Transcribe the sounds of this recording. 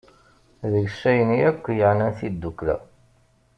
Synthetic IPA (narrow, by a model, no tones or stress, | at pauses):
ðəɡʃːæjəniækʷːjəʕnænθid̪ːukːlæ̰